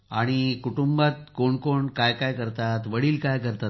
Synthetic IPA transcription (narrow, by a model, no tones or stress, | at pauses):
a̰ɽ̃ikuʈumbat̪koɳkoɳkajkajkəɾt̪at̪ʋəɽiːlkajkəɾt̪a